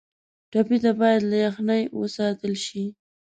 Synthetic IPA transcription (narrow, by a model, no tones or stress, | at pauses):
ʈapit̪abɑjad̪lajaxnajwə̰sɑt̪əlʃi